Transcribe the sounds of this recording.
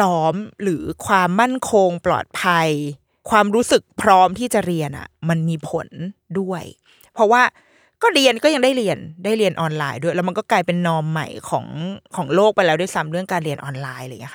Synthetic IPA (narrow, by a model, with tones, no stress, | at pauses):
sɔː˦˥mɾɯː˩˦kʰwaː˧mːa˥˩nkʰo˧ŋplɔ̰ː˨˩t̪̚pʰa˧j | kʰwaː˧mɾuː˦˥sɯ˨˩k̚pʰɾɔː˦˥mt̪ʰiː˥˩t͡ɕa˨˩ɾi˧ənʔa̰˨˩ma˧nmiː˧pʰo̰˨˩˦ndu˥˩əj | pʰɾɔ˦˥waː˥˩ | kɔː˥˩ɾi˧ənkɔː˥˩ja˧ŋdaː˥˩jɾi˧əndaː˥˩jɾi˧ənʔɔː˧nlaː˧jdu˥˩jlɛ˦˥ma˧nkɔː˥˩klaː˧jpe˧nːɔː˧mːa̰˨˩jkʰɔ̰ː˩˦ŋkʰɔː˩˦ŋloː˥˩k̚pa˧jlɛː˦˥du˥˩˨jsa˦˥mɾɯ˥˩əŋkaː˧nɾi˧ənʔɔː˧nlaː˧jlaː˧˨ŋi˦˥ka˥